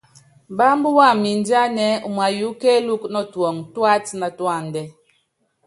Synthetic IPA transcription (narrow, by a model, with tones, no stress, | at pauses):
ba˦m˦bu˦wa˦˨mi˨n˦da˦nɛ˨˦u˨m˨a˨ju˨˦ke˦lu˦knɔ˦twɔ˨ŋtwa˦tna˨twa˦˨n˨dɛ˨